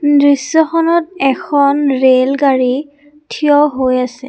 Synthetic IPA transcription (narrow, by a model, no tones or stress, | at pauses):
dɹisːɔxɔnɔt̚ɛkʰɔnɹelɡaɹi | tʰijɔɦojasɛ